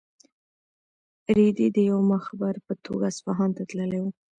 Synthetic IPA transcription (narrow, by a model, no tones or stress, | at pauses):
ɾid̪id̪əjawmaxabaɾpət̪ʰoɡaspɑɦɑnt̪at̪ləlejwu